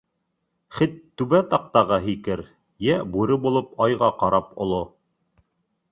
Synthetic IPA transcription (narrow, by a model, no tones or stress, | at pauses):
χɘt̪ːʉβæt̪ɑq̚t̪ɑʁɑɦikɘɾ | jæbʉɾɘbulˠɤpɑjʁɑqɑɾɑpŏlˠo